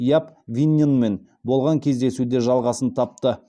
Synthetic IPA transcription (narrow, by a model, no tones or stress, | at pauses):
jɑpvʲinʲinme̞n | bo̞lˠʁɑŋkʲʰe̞zd̪e̞sud̪eʒɑlˠʁɑsənt̪ʰɑp̚t̪ə